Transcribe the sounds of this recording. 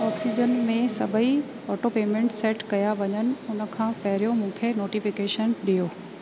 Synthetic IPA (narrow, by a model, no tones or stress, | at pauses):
ɔːksid͡ʑənmẽsɐbʱəi | ɔːʈopeːmẽːɳʈseːʈkɐjaʋɐɲənɪ̆ʊnə̆kʰãːpɐɦɪɾijomũːkʰenoːʈifɪkeːʃənɗijoː